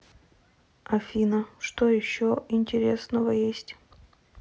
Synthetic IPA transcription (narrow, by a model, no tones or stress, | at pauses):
ɐfʲinəʂt̪ojɪɕːoɪnʲtʲɪɾʲesnəvəjesʲtʲ